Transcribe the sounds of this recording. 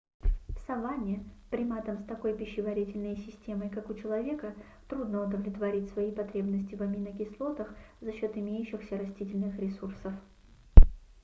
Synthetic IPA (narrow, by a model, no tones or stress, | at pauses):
fsɐvanʲɪɪpɾʲɪmat̪əmst̪ɐko̞jpʲɪɕːɪvɐɾʲitʲɪlʲnəjsʲɪsʲtʲe̞məjkakʊt͡ɕɪlˠɐvʲe̞kə | t̪ɾud̪nəʊd̪əvlʲɪt̪vɐɾʲitʲsvɐipɐt̪ɾʲe̞bnəsʲtʲɪvɐmʲinəkʲɪslˠo̞t̪əxzɐɕːo̞t̪ɪmʲejʉɕːɪxsʲəɾɐsʲtʲitʲɪlʲnɨxɾʲɪsursəf